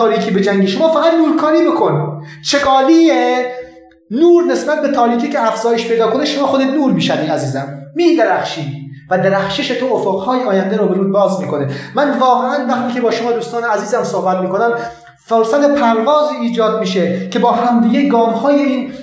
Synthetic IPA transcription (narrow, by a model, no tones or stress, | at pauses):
ɒːɾiːkʰiːbe̞d͡ʒæŋɡeʃomɒːfæɣæd̪nuːɾkʰɒːɾiːbekʰo̞nt͡ʃʰe̞ɡɒːliːe | nuːɾne̞sbæt̪̚be̞t̪ʰɒːɾiːkiːcʰeæfz̥ɒːje̞ʃpʰejd̪ɒːkoneʃomɒːxod̪et̪nuːɾmiːʃæd̪iːnæziːzæmːiːd̪eɾæxʃiːvæd̪eɾæxʃeʃet̪ʰoofoqhɒːjeɒːjænd̪eɾɔːbeɾuːd̪bɒːzmiːkonemænvɒːɣe̞ʔænvæxt̪iːkʰebɒːʃomɒːd̪uːst̪ɒːneæziːzæmsohbæt̪miːko̞næm | solsæt̪epʰæɾvɒːziːiːd͡ʒɒːd̪̚miːʃeke̞bɒːɦæmd̪iːɡʲeɡɒːmhɒːjein